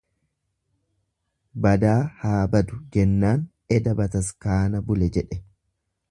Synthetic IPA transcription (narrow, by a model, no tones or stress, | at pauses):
bɐd̪aːhaːbɐd̪ʊd͡ʒɛnːaːn | ɛd̪ɐbɐt̪ɐskaːnɐbʊlɛd͡ʒɛᶑɛ